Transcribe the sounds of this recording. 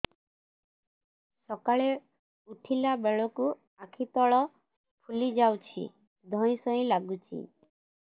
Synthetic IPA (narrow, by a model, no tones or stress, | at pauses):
sɔkaɭe | uʈʰilabeɭɔku | akʰit̪ɔɭɔ | pʰulid͡ʒawt͡ʃʰḭ | d̪ʱɔ̃ĩsɔĩlaɡut͡ʃʰḭ